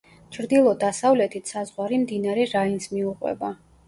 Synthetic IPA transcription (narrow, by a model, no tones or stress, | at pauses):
t͡ʃʰɾd̪ilˠɔd̪asavlɛt̪ʰit̪ʰsazʁwaɾimd̪inaɾɛɾainsmiuqʼwɛ̰ba